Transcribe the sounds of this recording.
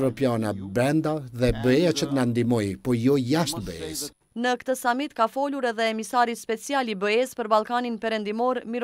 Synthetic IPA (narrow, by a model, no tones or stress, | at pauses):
ɾɔpjanabɾɛnd̪aðɛbəɛjat͡ʃət̪ənand̪imɔjpɔjɔjaʃt̪bəɛ̰s | nəkt̪əsamit̪kafɔluɾɛðɛːmisaɾispɛt͡sijalibəɛspəɾbalˠkaninpɛɾɛnd̪imɔɾmiɾ